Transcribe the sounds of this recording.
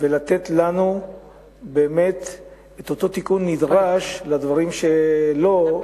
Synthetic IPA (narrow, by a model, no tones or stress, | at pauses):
velat̪et̪lanu | be̞ːme̞t̪ | et̪ot̪o̞t̪ikunːid̪ʁaʃlad̪vaʁimʃelo̞